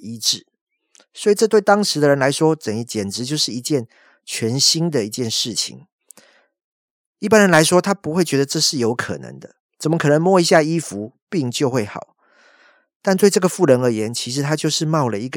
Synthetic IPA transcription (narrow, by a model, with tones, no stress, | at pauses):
i˧˥ʈ͡ʂɻ̩˥˩ | swɔ˧˥i˨˩ʈ͡ʂɤ˥˧t̪we˥˩ɪt̪ɑ˥ŋʂɻ̩˧˦d̪ə˧˨ɻə˧˦nla˧˥ɪʂwɔ˥ʈ͡ʂə˨˩ŋi˧˥t͡ɕjɛ˨˩nʈ͡ʂɻ̩˧˥t͡ɕjo˥˧ʊʂɻ̩˥˩˨i˧˥t͡ɕjɛ˥˩n | t͡ɕʰɥɛ˧˥nɕi˥nd̪ə˨i˧˦t͡ɕjɛ˥˧nʂɻ̩˥˩t͡ɕʰḭ˨˦ŋ | i˥˩pa˦nɻə˧˦nla˧˦ɪʂwɔ˥t̪ʰa˥pu˧˥xwe˥˩ɪt͡ɕɥɛ˧˥d̪ə˧ʈ͡ʂɤ˥˧ʂɻ̩˥˩jo˧˥ʊkʰɤ̰˨˩nə̰˧˦ŋd̪ə˧ | t͡sə˨˩mə˦kʰɤ˨˩ə˧˦ŋmwɔ˥i˧˥ɕja˥˧i˦˥fu˧˦pi˥˧ŋt͡ɕjo˥˧ʊxwe˥˩ɪxɑ̰˨˩˦ʊ | t̪a˥˧nt̪we˥˧ɪʈ͡ʂɤ˥˩ɡə˩fu˥˩ɻə˧˥nə˧˥jɛ˧˦nt͡ɕʰi˧˥ʂ̬ɻ̩˧˥t̪ʰa˥t͡ɕjo˥˧ʊʂɻ̩˥˧mɑ˥˩ʊlə˨i˧˥ɡ